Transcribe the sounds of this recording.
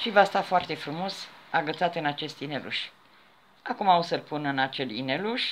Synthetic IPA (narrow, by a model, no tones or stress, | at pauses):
ʃivast̪afoart̪e̞fɾumo̞saɡət̪sat̪ɨnat͡ʃe̞st̪ine̞lṵʃ | akumausəlpunɨnat͡ʃe̞lḭneluʃ